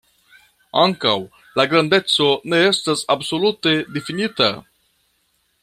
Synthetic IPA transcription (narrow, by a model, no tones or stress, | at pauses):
aŋkaw | laɡɾande̞t͡so̞ne̞e̞stasabso̞lute̞definita̰